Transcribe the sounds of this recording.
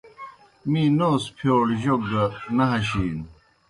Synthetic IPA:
miːnoːspʰjoːɽʑoɡɐnɐɦɐɕiːn

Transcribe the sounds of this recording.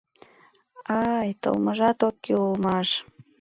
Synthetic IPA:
ɑjt̪ə̰lməʒɑt̪okːeulmɑʃ

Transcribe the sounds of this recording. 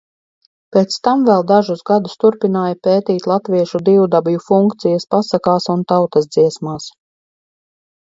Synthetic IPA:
peːt̪st̪amvɛlˠd̪aʒusɡad̪ust̪uɾpinaːjapeːt̪iːt̪lˠat̪viɛʃud̪iwud̪abjufuŋkt̪sijɐspasakaːsunt̪awt̪ɐs̬d̪ziɛsmaːs

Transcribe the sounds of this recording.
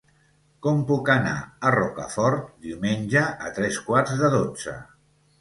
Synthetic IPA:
kɔmpukəna̰ərɔkə̰fɔɾt̪̚d̪iwmenʲʒəʔːt̪ɾɛskwaɾzðəðod͡zə̰

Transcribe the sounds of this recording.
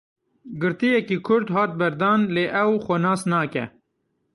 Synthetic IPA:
ɡɨɾt̪ijɛkiːkʰʊɾd̪hɑːt̪̚bɐɾd̪ɑːnleːʔɛwxɔnɑːsnɑːkɛ̰

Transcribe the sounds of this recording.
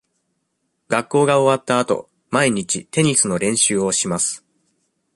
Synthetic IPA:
ɡakːo̞ːɡao̞βat̪ːaːt̪o̞̰ | maiɲ̟it͡ɕit̪e̞ɲ̟isɨno̞ɾẽ̞ɰ̃ɕɨːo̞ɕimasɨ̥

